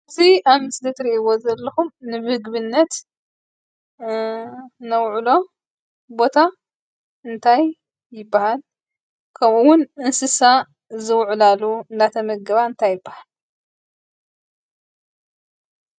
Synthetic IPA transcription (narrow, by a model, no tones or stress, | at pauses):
ɨt̪ʰiamɨsd̪ɐt̪ɾiʔiwozɐlːɐxumnɨmɨhɨɡβɨnːɐt̪ | nɐwʕulo̞ | bo̞t̪ʰa | ɨnt̪ʰajː | ɪbːahal | kʰɐmuwʊnɨnsɨsa | zɨwʕlalunat̪ʰɐmɐɡɐβaɨnt̪ʰajːɪbːahal